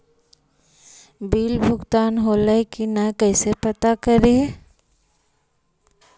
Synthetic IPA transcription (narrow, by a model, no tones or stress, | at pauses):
biːlbʱʊɡt̪aːnɦoːləikinakəsepɐt̪akəɾi